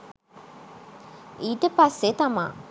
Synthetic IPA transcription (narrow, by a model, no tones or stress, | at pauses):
iːt̪epɐsːet̪ɐma̰ː